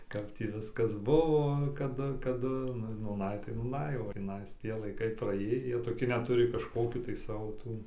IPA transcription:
ˈkɐp tʲiː ˈʋʲɪskɐs ˈbʊʋoː kɐˈdʊ kɐˈdʊ nʊ nuːˈnɐɪ tɐɪ nuːˈnɐɪ oː tʲiːˈnɐɪs ˈtʲiɛ lˠɐɪˈkɐɪ prɐˈeːjiː ˈjiɛ toːˈkʲɪ ˈnʲɛt ˈtʊrʲɪ kɐʃˈkoːkʲuː tɐɪ ˈsɑːʋoː ˈtuː

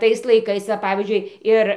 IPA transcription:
ˈtɐɪs lˠɐɪˈkɐɪs ʋɐ ˈpɑːʋʲiːzʲd͡ʒʲʊɪ ˈɪr

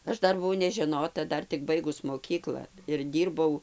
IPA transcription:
ˈɐʃ ˈdɐr bʊˈʋɐʊ nʲɛʒʲɛˈnoːtɐ ˈdɐr tʲɪk ˈbɐɪɡʊs moːˈkʲiːklˠɐ ɪr ˈdʲiːrbɐʊ

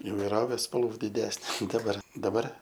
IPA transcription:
ɪʋɐɪˈroːʋʲeː spɐlˠˈʋuː dʲɪˈdʲæːsʲnʲɛ ˈdɑːbɐr dɐˈbɐr

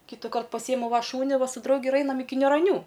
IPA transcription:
kʲiːtʲiːˈkɐrt pɐˈsʲiːjɛmʊ ʋɐ ˈʃuːnʲɪ ˈʋɐ sʊ ˈdrɐʊɡʲɪ ɪr ˈɐɪnɐm ˈɪkʲɪ nʲuːrɐˈnʲuː

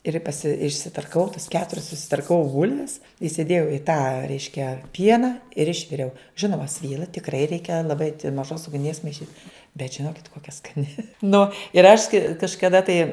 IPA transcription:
ɪr pɐˈsʲɪ ɪʃʲsʲɪtɐrkɐˈʋɐʊ tɐs ˈkʲæːtʊrʲɛs sʊsʲɪtɐrkɐˈʋɐʊ ˈbʊlʲʋʲɛs ɪsʲɪˈdʲeːjɛʊ ɪ tɑː ˈrʲɛɪʃʲkʲɛ ˈpʲiɛnɐ ɪr ˈɪʃʲʋʲɪrʲɛʊ ˈʒʲɪnoːmɐ ˈsʲʋʲiːlˠɐ tʲɪkˈrɐɪ ˈrʲɛɪkʲɛ ɐn lˠɐˈbɐɪtʲ mɐˈʒoːs ʊɡˈnʲiɛs mɐɪˈʃʲiːt bʲɛt ʒʲɪnoːkʲɪt koːkʲɛ skɐˈnʲɪ ˈnʊ ɪr ɐʃ kɐɪ kɐʃkɐˈdɐ tɐɪ

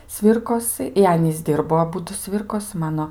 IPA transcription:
ˈsʲʋʲiːrkoːsɨ ɪr ˈɑːnʲiːs ˈdʲɪrboː ɐˈbʊdʊ ˈsʲʋʲɪrkoːsʲɪ ˈmɑːnoː

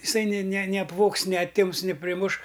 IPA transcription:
ɪˈsɐɪ nʲɪ nʲɪ nʲɪ ɐpˈʋoːks nʲɪ ɐˈtʲɪms nʲɪ pʲrʲɪˈmʊʃ

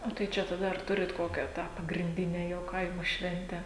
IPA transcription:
oː tɐɪ ˈt͡ʃʲɛ tɐˈdɐ ɐr ˈtʊrʲɪt ˈkoːkʲæː ˈtɑː pɐɡrʲɪnʲˈdʲɪnʲɛ jɛʊ ˈkɐɪmoː ˈʃʲʋʲɛnʲtʲæː

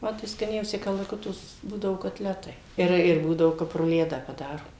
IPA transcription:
ˈmɐ tɐɪ skɐˈnʲɛʊsʲɪ kɐlˠɐˈkʊtoː s ˈbuːdɐʋoː koːtʲˈlʲæːtɐɪ ɪr ɪr ˈbuːdɐoː ˈkɐp rʊˈlʲæːdɑː pɐˈdɑːroː

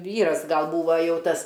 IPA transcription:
ˈʋʲiːrɐs ˈɡɐlˠ ˈbuːʋɐ ˈjɛʊ ˈtɐs

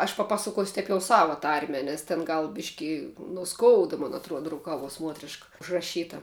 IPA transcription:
ɐʃ pɐˈpɑːsɐkuɔsʲʊ ˈtʲɛɪp jɛʊ ˈsɑːʋɐ ˈtɐrʲmʲɛ ˈnʲɛs tʲɛn ˈɡɐlˠ ˈbʲɪʃʲkʲɪ noː ˈskoːʊdɐ moːn ɐˈtruɔdɐ rʊˈkɑːʋuɔs ˈmuɔtʲrʲɪʃkɐ ʊʒrɐˈʃʲiːtɐ

